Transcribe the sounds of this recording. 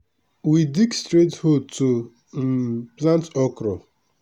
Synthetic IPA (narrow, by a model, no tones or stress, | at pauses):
widikstɾetholtu | plãntɔkɾɔ